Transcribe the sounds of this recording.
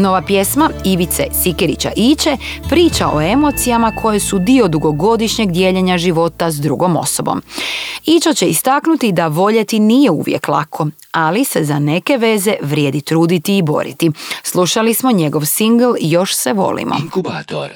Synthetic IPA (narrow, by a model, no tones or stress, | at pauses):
no̞ʋapje̞smaiʋit̪se̞sikeɾḭt͡ɕa̰ʔit͡ʃe | pɾiːt͡ʃaʔo̞̰emo̞t̪sijamakʰo̞jesud̪io̞d̪uɡo̞ɡo̞d̪iʃɲe̞ɡd̪je̞ːʎeɲaʒiʋo̞t̪azd̪ɾuɡo̞mo̞̰sobo̞̰mit͡ʃot͡ɕe̞ist̪aknut̪id̪aʋo̞ʎet̪inijeṵʋjḛklˠa̰kʰo̞ | alise̞zane̞ke̞ʋe̞ze̞ʋɾje̞ːd̪it̪ɾuːd̪it̪iːbo̞̰ɾḭt̪islˠuʃalismo̞ɲe̞ɡo̞ʋsiŋɡl̩jo̞ʃseʋo̞̰lḭmʔo̞̰